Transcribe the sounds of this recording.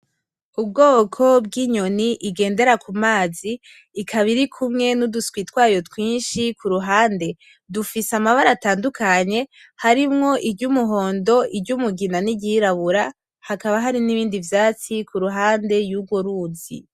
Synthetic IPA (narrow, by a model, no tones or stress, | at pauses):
ub̚ɡoːkʰo̞bɡiːɲo̞niʔiɡe̞ːnde̞ɾakumaːziː | kʰaβiɾikʰumŋe̞nuduskwiːtwaːjo̞twiːnʃikʰuɾuɦaːnde̞ | dufisamaβaɾataːndukʰaɲe̞ | haɾimŋo̞ʔibɟumuɦo̞ːndo̞ʔibɟumuɡinaniɟiɾaβuɾa | hakaβaɦaɾiniβiːndivjaːt͡sikʰuɾuɦaːnde̞juɡwoɾuːnzḭ